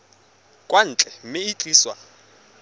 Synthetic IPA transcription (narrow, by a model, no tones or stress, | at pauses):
kʼwan̩ːt͡ɬʼɛm̩mɪit͡ɬʼiːswa̰